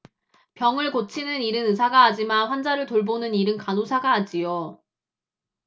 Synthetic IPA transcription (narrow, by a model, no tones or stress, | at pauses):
pjʌŋɯɭkot͡ɕʰinɯniɾɯnɯsʰaɡaːd͡ʑimanɸwand͡ʑaɾɯɭtoɭbonɯniɾɯnkanusʰaɡaːd͡ʑijo